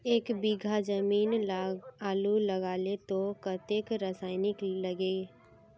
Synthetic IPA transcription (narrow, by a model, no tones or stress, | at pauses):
eːkbiɡʱad͡ʒəmiːnlaɡaːluləɡaːlet̪okət̪eːkɾəsaːɪnɪkləɡe